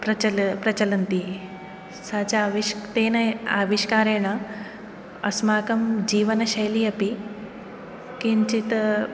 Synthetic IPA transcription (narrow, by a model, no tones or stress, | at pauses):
pɾɐt͡ʃɐlpɾɐt͡ʃɐlɐnt̪i | saːt͡ʃaʋit̪eːnɐa̰ːʋiʃkaːɾeːɳ̃ɐ | ɐ̰smaːkɐmd͡ʑiːʋɐnɐʃɐjliɐpi | kiɲt͡ʃit̪